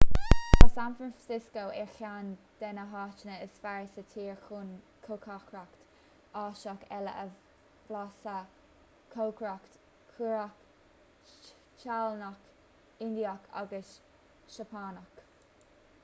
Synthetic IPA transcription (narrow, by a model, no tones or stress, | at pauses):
asanfɾansɪskoʔɛɹxand̪̥ɛnəɦɑːt͡ʃənəəsfaɹsət̪ʰiːɹxuːnkʰokʰakʰɹakt̪ | ɑːʃakɛləʔə | vlasə | kʰoːkʰɹakt | kʰuɹak | t͡ʃalnak | ɪnd̪iakʰa̰ɡəs | ʃəpʰaːnək